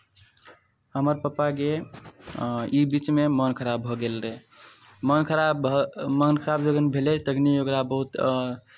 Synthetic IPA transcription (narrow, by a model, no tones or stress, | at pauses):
həməɾpəpake | ibit͡ʃmemənkʰəɾabʱɔɡelɾɛ | mənkʰəɾabmənkʰəɾabd͡ʒəɡənbʱelet̪əɡnioɡɾabəɦut̪